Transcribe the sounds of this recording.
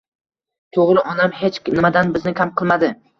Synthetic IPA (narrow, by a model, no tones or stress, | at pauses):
t̪ʰoʁɾɪʔɒnamhet͡ʃnɪmad̪anbɪznɪkʲʰamqʰɨlˠmad̪ɪ